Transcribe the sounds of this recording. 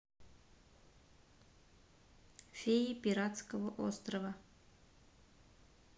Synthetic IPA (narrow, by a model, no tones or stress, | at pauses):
fʲejipʲiɾat̪skəvəʔost̪rɐvɐ